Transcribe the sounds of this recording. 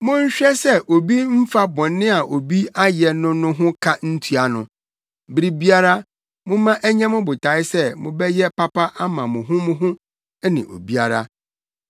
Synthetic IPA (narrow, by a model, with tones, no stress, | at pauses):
mʊ̃˦ɲ̩˦ɕᶣɛ˦sɛ˦ʔo˨bi˦m̩˦fa˦bɔ̃˨nːɪ̃˦a˨ʔo˨bi˦a˦jɛ˨nʊ̃˦nʊ̃˦ɦʊ̃˦kʰa˦n̩˦tʰu˦a˨nʊ̃˨ | bɾi˦bi˦a˦ɾa˦ | mʊ̃˦mã˦ʔæ˦ɲɛ̃˦mʊ̃˦bʊ˨tʰa˨˦ɪ˦sɛ˦mʊ̃˨bɛ˦jɛ˦pa˦pa˦ʔa˦mã˨mʊ̃˨ɦʊ̃˦mʊ̃˦ɦʊ̃˦ | ɛ˦nɪ̰̃˨ʔo̰˨bi˦a˨ɾa˦